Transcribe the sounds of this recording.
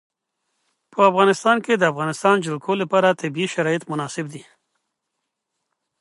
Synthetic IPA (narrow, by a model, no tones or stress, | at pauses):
pəafɣɑnɪst̪ɑnked̪əafɣɑnɪst̪ɑnd͡ʒɪlkʰolapɑɾat̪abiiʃaɾɑjɪt̪mʊnɑsɪb̚d̪i